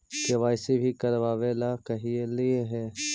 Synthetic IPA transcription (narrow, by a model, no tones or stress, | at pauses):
keʋaːɪsebʱikɐɾʋaːʋelakɐɦielieɦɛː